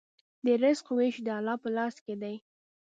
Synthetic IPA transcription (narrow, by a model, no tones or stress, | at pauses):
d̪əɾɪzqoweʃd̪əalɑpəlɑsked̪aj